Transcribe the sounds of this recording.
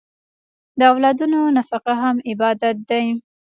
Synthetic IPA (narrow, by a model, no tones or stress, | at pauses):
d̪əawlɑd̪unonafaqaɦamɪbɑd̪at̪̚d̪aj